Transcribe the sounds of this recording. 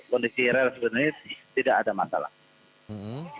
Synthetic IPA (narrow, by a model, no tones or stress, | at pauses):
kɔndisiɾɛlsəbənʊrɲat̪idaʔadama̰sa̰la̰h̩